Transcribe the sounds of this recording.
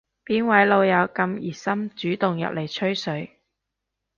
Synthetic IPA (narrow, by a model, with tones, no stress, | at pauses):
piː˨˥nwɐ˨˥jlo˨˧wjɐ˨˧wkɐ˧mjiː˨˩sɐ˥mt͡ʃyː˨˥t̪ʊ˨ŋjɐ̰˨p̚lʔe˨˩jt͡ʃʰɵ˥ɥsɵ˨˧˥ɥ